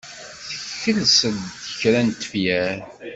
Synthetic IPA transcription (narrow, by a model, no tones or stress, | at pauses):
θəçːəlsəd̪əçɾænt̪ːə̥fjæɾ